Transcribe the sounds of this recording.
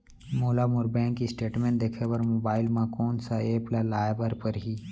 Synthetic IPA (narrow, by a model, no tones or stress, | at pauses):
moːlamʊɾbɛ̃ːŋkːisʈeːʈmɛ̃ːɳʈd̪eːkʰepɐɾmoːbaːɪlmãkɔːnsaeːplalaːjbəɾpɐɾɦiː